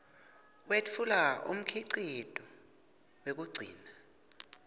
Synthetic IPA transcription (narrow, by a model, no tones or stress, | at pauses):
wet͡fʰulaṵm̩kʰiǀitʼɔ | wek̬uɡ͡ǀʱiːna